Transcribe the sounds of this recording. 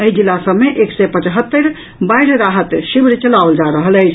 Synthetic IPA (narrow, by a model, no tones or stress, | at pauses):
əɦid͡ʒilːasəmeʔeksɛpə̃t͡ʃɦət̪ːəɾ | bajɾɾaɦət̪ʃibɾt͡ʃəlaold͡ʒaɾəɦələt͡ʃʰ